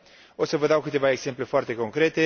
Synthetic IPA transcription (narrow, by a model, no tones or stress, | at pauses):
o̞t̪səvəd̪awkɨt̪e̞vaeɡz̥e̞mple̞foart̪e̞ko̞ŋkɾe̞t̪e̞